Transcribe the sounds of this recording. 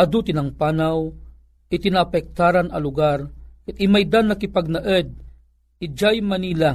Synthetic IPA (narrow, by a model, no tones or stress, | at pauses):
ɐd̪ut̪ɪnɐŋpaːnaw | ɪt̪ɪnapɛk̚t̪aːɾanɐlʊɡaɾkɨt̪ɪmajd̪anːɐkɪpaɡ̚nɐʔɛd̪̚ | ɪd͡ʒajmɐniːla